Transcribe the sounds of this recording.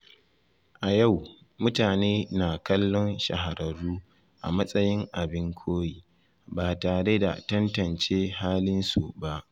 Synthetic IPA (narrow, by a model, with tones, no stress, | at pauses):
ʔa˨ja˦˨w | mʊ˦taː˨neː˦naː˨kɐ˦lːɔ˦nʃɐ̰˨ɦa˨ɾɐ˨ɽuː˦ | ʔa̰˨mɐ˦sʼɐ˦jɪ˦ŋʔa˨bɪ˦ŋkʷʰoː˦jiː˦ | baː˨taː˨ɽe˦da̰˨tɐ˦ntɐ˨nt͡ʃeː˦haː˦lɪ˦nsu˨ba˦ʔ